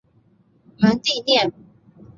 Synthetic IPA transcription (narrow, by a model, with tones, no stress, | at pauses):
mə˨˧˥nt̪i˥˧njɛ˥˨n